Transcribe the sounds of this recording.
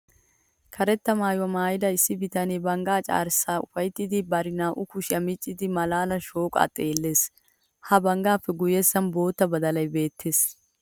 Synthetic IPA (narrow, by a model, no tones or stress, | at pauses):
kʰɐɾɛt̪ːɐmaːjwɐmaːjɪd̪ɐɪsːɪbɪt̪ɐneːbɐŋɡaːt͡ʃʼa̰ːɾsːaːʊfɐjt̪ːɪd̪ɪbɐɾɪnaːʔʊkʊʃɪɐmɪt͡ʃʼːɪd̪ɪmɐlaːlɐnʃo̞ːkʼa̰ːt̪ʼeːlːe̞ːs | hɐbɐŋɡaːfːɛɡʊjɛsːɐnbo̞ːt̪ːɐbɐd̪ɐlɐjbe̞ːt̪ʰːeːs